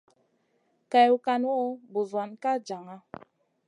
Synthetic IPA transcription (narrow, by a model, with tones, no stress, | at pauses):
ka˨ju˨ka˨n˦ɔ˦bu˨zwa˨nka˦d͡ʒa˨ŋa˦